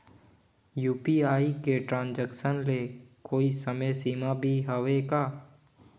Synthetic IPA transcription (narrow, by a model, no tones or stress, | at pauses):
juːpiaːikeʈɾãːnd͡ʒəkʃənlekoːisəməjsiːmabʱiɦəʋekaː